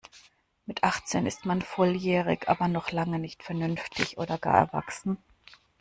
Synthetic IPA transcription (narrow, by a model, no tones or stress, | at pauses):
mɪtʰʔaχt͡seːnɪstmanfɔljɛːʁɪçʔa̰ːbɐnɔχlaŋənɪçtfɛɐnʏnftʰɪçʔo̰ːdɐɡa̰ːɐɛ̰ɐva̰ksn̩